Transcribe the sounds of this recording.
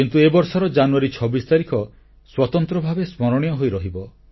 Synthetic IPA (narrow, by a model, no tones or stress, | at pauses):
int̪uebɔɾsɔɾɔd͡ʒanuaɾit͡ʃʰɔbist̪aɾikʰɔ | swɔt̪ɔnt̪ɾɔbʱabesmɔɾɔɽ̃ijɔɦojɾɔɦibɔ